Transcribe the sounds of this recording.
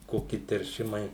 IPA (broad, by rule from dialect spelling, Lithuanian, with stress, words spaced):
ˈkoːkʲɪ tʲɛrʲˈʃʲɪmɐɪ